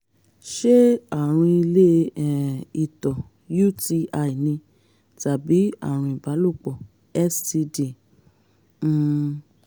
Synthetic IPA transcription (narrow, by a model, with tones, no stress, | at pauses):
ʃe˦a˦˨ɾ̃ĩ˧i˧le˦ɛ˨i˨tɔ˨ | ju˦ti˧a˧i˨nĩ˧ | ta˨bi˨˦a̰˦˨ɾ̃ũ˧i˨ba˨˦lo˦˨k͡pɔ˨ | ɛ˦sti˧de˨˦˨